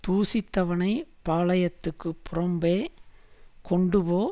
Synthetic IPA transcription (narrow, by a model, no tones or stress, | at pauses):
t̪uːsɪt̪ːɐʋɐnɐɪpaːlɐjɐt̪ːɯkːɯpːʊɾɐmbeː | kɔɳɖɯpoː